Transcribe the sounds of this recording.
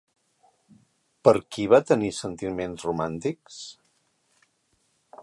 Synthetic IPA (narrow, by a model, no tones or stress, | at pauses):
pəɾkiβat̪ənisənt̪imenzrumant̪iks